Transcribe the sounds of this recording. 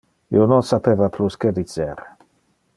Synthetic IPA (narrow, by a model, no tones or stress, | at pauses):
ḭononsapevaplusked̪it͡seɾ